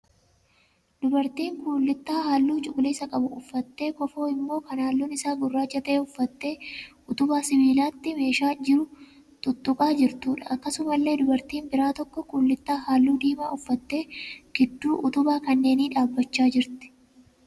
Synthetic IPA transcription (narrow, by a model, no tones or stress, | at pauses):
d̪̥ʊbɐɾt̪iːŋkuːlːɪt̪ːaːɦaːlːuːt͡ʃʼʊkʼʊliːsɐkʼɐbʊʊfːɐt̪ːe̞ːkɔfo̞ːɪmːo̞ːkɐnaːlːuːnɪsaːɡʊrːaːt͡ʃːɐt̪ɐʔeːʊfːɐt̪ːe̞ː | ʊt̪ʊbaːsɪbiːlaːt̪ːɪme̞ːʃaːd͡ʒɪɾʊ | t̪ʼʊt̪ːʊkʼaːd͡ʒɪɾt̪uːᶑɐʔɐkːɐsʊmɐlːe̞ːd̪ʊbɐɾt̪iːnbɪɾaːt̪ɔkːɔkuːlːɪt̪ːaːɦaːlːuːd̪iːmaːʊfːɐt̪ːe̞ːɡ̥ɪd̪ːuːʔʊt̪ʊbaːkɐnːe̞ːniːᶑaːbːɐt͡ʃːaːd͡ʒɪɾt̪ɪ̥